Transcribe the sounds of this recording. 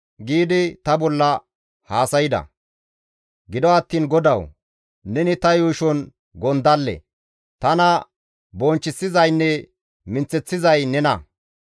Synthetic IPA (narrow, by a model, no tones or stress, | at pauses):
ɡiːd̪ɪt̪ɐbɔlːɐ | haːsɐjɪd̪ɐ̰ | ɡɪd̪ɔɐt̪ːiːnɡɔd̪ɐw | nɛnɪt̪ɐjuːʃɔn | ɡɔnd̪ɐlːɛ̰ | t̪ɐnɐ | bɔnt͡ʃːɪsːɪzɐjnːɛ | mɪnt͡sːɛt͡sːɪzɐjnɛnɐ